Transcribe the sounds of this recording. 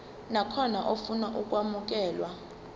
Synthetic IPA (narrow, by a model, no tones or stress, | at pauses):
nakʰɔnaʔofunaʔuk̬ʼwamuk̬ʼɛːlwa